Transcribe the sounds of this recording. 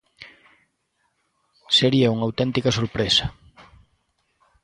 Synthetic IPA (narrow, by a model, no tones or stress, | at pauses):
seɾiɐuŋawt̪ɛnt̪ikɐsoɾpɾesɐ